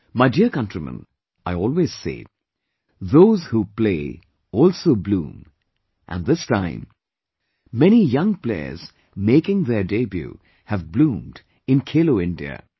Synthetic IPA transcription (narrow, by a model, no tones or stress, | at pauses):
maɪdiɹkʌ̃ntɹ̥imə̰̃n | ʔaɪɔlˠwez̥sḛɪ | ðoʊz̥hupleɪ | ɔlˠsoʊblṵ̃m | ʔɨ̰̃nðɪstã̰ɪ̃mː | ɛñijʌ̃ŋpl̥ɛ̰ə̰z | meɪkɪ̃ŋðə˞debjṵ | hɨvblũmd | ɨ̃nkʰeloʊɪ̃ndiɨ̰